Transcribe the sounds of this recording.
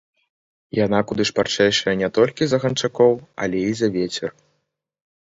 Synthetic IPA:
jan̪akud̪ɨʂpart͡ʂɛjʂɐjɐnʲɛt̪ɔlʲkʲizɐɣɐnt͡ʂakɔwɐ̰lʲɛizɐvʲɛt͡sʲɛr

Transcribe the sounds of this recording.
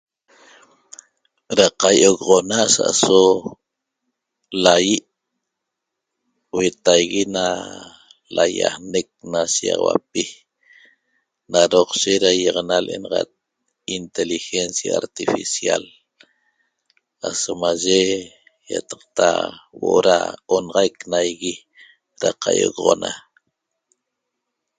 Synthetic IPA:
ɾaqajoɣʁonasa̰ʔso | lajiʔ | wet̪ajɣina | laja̰hnek̚naʃiɑ̰ʁwa̰p̚i | naɾoqʃeɾajeʁɑnalʔenɑʁɑt̪̚ | int̪elixensjaːɾt̪ifisja̰l | asomaʒe | jat̪ɑ̥q̚t̪a̰woʔoɾa̰onʁɑjknajɣi | ɾaqʰajoɣʁona̰

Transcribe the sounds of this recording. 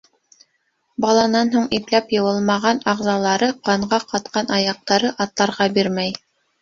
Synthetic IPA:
bɑlˠɑnɑnɦuɴiplæpjɤ̆wɤlˠmɑʁɑnɑʁzɑlˠɑɾɤqɑɴʁɑqɑt̪̚qʰɑnɑjɑq̚t̪ɑɾɤʔɑt̪lˠɑɾʁɑbiɾmæj

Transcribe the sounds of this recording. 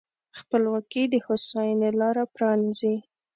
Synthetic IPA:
xpəlwɑkid̪əhosɑjənelɑɾapɾɑnizi

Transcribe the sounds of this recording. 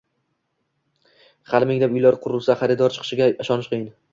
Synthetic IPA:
χalɪmɪŋlapʊjlaɾqʰʊɾɪlˠsaχaɾɪd̪ɒɾt͡ʃʰɨ̥qʰɨ̥ʃɪɡʲaɪʃɒnɪʃqʰɨjɪn

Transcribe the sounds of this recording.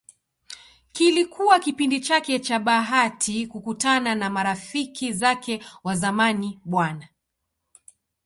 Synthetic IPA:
kilikʰuwakipindit͡ʃakɛt͡ʃaɓaɦatʰikukutananamaɾafikʰizakɛwazamaniɓwana

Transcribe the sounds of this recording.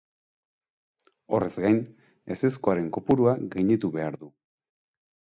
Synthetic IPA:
o̞re̞zɡajn | e̞se̞skoaɾe̞ŋkopuɾuaɣejɲit̪uβe̞aɾðu

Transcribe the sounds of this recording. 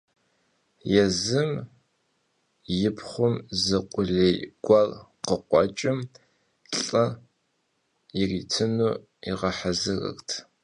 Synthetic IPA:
jɛzɨm | jɪpʰχʷʊmzɨqʷʼʊɮejɡ̥ʷɑrqəqʷʼɔt͡ʃʼɪm | ɬʼɐ | jɪritʰɨnuː | iʁɐħazɨrɐ̰ktʰ

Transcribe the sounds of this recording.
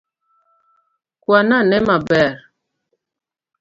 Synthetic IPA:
kwananɛmabɛɾ

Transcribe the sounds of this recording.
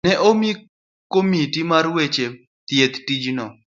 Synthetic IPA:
nɛʔomi | komitimarwet͡ʃe | t̪jet̪tid͡ʒnɔ

